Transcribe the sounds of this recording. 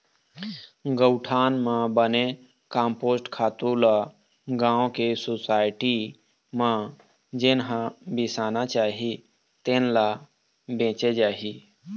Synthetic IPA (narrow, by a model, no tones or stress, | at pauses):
ɡəwʈʰaːnmãbəne | kãːmpoːsʈkʰaːt̪ula | ɡãːõkesosaːɪʈi | mã | d͡ʒenɦãbɪsaːnat͡ʃaːɦi | t̪eːnla | bẽːt͡ʃed͡ʒaːɦi